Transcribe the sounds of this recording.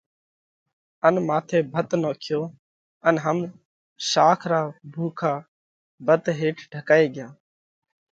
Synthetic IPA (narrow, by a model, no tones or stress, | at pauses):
ənmaːt̪ʰeːbʱət̪noːkʰjoː | ənɦəm | ʃaːkʰɾaːbʱuːkʰaː | bət̪ɦeːʈʰɖʱəkaːeːɡɪjaː